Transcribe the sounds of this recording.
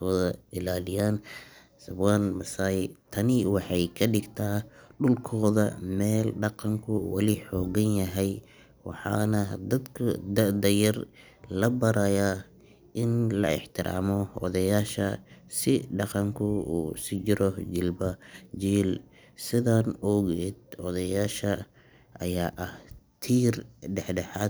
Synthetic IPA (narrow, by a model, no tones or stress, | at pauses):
ɔðɐɪlaːlɪjaːn | sɐbwaːnbɐsaːjt̪ʰɐnɪwɑħɑjkʰɐɖɪɡt̪ʰaːɖʊlkʰɔːðɐmɛːlɖɑqɑŋkʰʊwɑ̰liħɔːɣɐnjɐɦɛj | wɑ̰ħɑ̰ːnɐd̪ɐd̪kʰʊd̪ɐd̪ɐjɐr | lɐbɐɾɐja | ʔɪnlɐ̰ɪ̰ħt̪ʰɪɾʔa̰ːmɔɔ̰ðɐjaːʃɐsɪɖɑqɑŋkʰʊuːsɪd͡ʒɪɾɔd͡ʒɪlbɐd͡ʒiːl | sɪðaːnɔɣɛːd̪̚ɔðɐjaːʃɐ | ʔɐjaːʔɐht̪ʰiːrɖɛħɖɛħaː